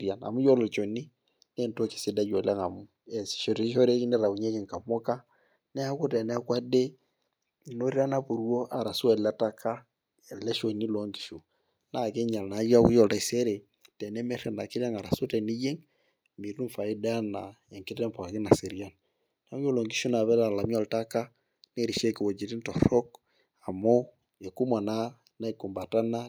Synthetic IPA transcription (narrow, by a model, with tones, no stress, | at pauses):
ɾja˨na̰˨mu˦jɔ˦lɔ˨t͡ʃo˨ni˦ | nɛ˦nto˦ki̥˨sɪ˦da˦d͡ʒo˨lɛ˦ŋa˨mu˦ɛ˨si̥˨ʃɔ˦ɾi˦i˦ɔ˦ɾe˦ki˦nɛ˦ɾa˨wu˨ɲe˦ki˨ŋka˨mɔ˦ka˦ | nɛ˦a˦ku˦tɛ˨nɛ˦a˦kwa˦de˦˨ | no˦ɾi˦a˦na˦pu˨ɾu˦o˦ʔa˨ɾa˨su˦ɛ˨la˦ta˦ka˦˨ | lɛ˦ʃo˨ni˦lo˦ŋki̥˨ʃu˨ | na˦˨kɛ˦ɲa˨lna˨˦ja˦ku˦jɔ˨lta˦i˨sɛ˦ɾe˨ | tɛ˨nɛ˦mɛ˦ɾɛ˨na˨ki˦ɾa˦ŋa˨ɾa˨so˦tɛ˨ni˦je˦ŋ | mi˨ɾu˦ɱfa˨i˦da˦na˨ɛ˨ŋki˦tɛ˦mpo˨a˨ki˦na˨se˨ɾi˨a˦n | na˨˦mjo˦lɔ˨ŋɡi˦ʃu˦na˨βɛ˦ɾa˨la˨mi˦ɔ˦˨lta˦ka˦ | ne˦˨ɾi˨ʃe˦ki˨wo˨d͡ʒi˨ɾi˦ntɔ˨ɾɔ˦k | a˨mo˦ | e˨ku˦ma˨na˦ | na˦i˨ko˨mba˨ta˦na˦